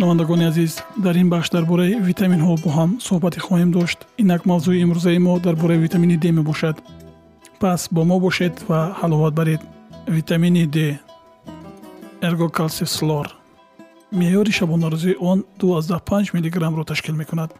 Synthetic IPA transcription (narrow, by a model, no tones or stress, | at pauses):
ʃunavand̪aɡɔniazizd̪aɾinbaχʃd̪aɾbɔɾaivit̪ʰaminɦɔbɔɦamsuhbat̪ʰiχɔhemd̪ɔʃt̪inakmavzuiːmɾuzaimɔd̪aɾbɔɾaivit̪ʰaminid̪e̞me̞bɔʃad̪ | pʰasbɔmɔbɔʃe̞d̪vahalɔvat̪̚baɾed̪vit̪ʰaminid̪e | eɾɡɔkʰalsefslɔɾ | mejɔɾiʃabɔnaɾuziːʔɔnd̪uazd̪ahpʰãnd͡ʒmiliɡɾamɾɔt̪ʰaʃkilme̞kʰunad̪̥